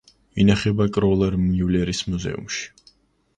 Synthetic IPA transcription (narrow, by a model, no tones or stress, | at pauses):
inaχɛbakʼɾɔlˠɛɾmnilɛɾismuzɛ̰ṵmʃi̥